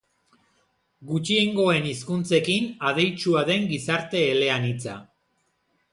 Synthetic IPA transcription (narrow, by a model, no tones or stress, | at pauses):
ɡut͡ʃie̞ŋɡo̞e̞niskunt͡se̞kinað̞e̞jt͡ʃuaðe̞ŋɡisaɾt̪e̞ːle̞anit͡sa̰